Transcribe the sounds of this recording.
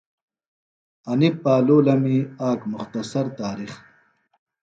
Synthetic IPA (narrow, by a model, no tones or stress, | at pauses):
ɐnipːaːloːlɐmiaːkmʊχt̪ɐsɐɾt̪aːɾiχ